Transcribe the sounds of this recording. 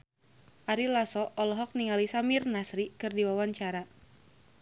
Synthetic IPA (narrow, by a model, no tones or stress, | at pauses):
ʔaɾilasɔʔɔlɔɦɔk̚niŋalisamirnasɾikɨrdiwawaɲt͡ʃaɾa